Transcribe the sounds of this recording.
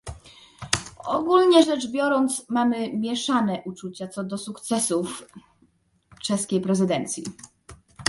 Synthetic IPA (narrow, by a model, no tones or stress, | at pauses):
ɔɡulɲɛʐɛd͡ʐbʲjɔɾɔnt̪smamɘmʲjɛʂanɛʔut͡ʂut͡ɕat̪sɔd̪ɔsukt̪sɛsuf | t͡ʂɛskʲejpɾɛzɘd̪ɛnt̪sʲjḭ